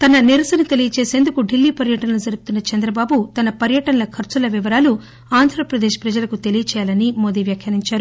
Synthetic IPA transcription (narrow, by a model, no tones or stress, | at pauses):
t̪ɐnɐniɾɐsɐnɐt̪e̞lijɐt͡ʃeːseːnd̪ukuɖilːiːpɐɾjɐʈɐnɐlud͡ʒɐɾuɡut̪unːɐt͡ʃɐnd̪ɾɐbaːbut̪ɐnɐpɐɾjɐʈɐnɐlɐkʰɐɾt͡ʃulɐʋiʋɐɾaːlu | aːnd̪ʱɾɐpɾɐd̪eːʃpɾɐd͡ʒɐlɐkut̪elijɐt͡ʃɛːjaːlɐnimo̞ːd̪iːʋjaːkʰjɐɾiɲt͡ʃaːɾu